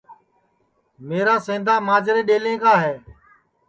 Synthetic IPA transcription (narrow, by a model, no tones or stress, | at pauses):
meːɾaːsẽːd̪aːmaːd͡ʒɾeːɗeːlẽːkaːɦeː